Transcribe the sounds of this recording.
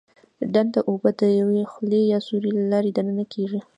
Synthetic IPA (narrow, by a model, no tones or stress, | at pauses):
ɖand̪d̪əʔobəd̪əjawexlejɑsuɾilalɑɾed̪anənakʰeʐi